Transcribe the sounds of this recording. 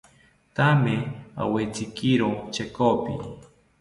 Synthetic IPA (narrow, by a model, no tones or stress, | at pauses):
t̪amea̰wet͡sɪkiɾot͡ʃekopɪ̰